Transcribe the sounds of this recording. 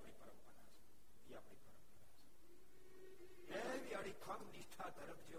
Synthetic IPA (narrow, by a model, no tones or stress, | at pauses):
pɳĩpəɾəmpəɽa̰t͡ʃʰe̥ | iapɳipəɾəmpəɽat͡ʃʰe̥ | eʋiaɽikʰəmniʃʈʰat̪əɾəpʰd͡ʒe